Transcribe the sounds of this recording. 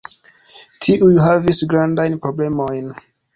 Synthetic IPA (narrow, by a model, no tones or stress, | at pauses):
tʰiʔujuɦavisɡɾandajnpɾoblemojn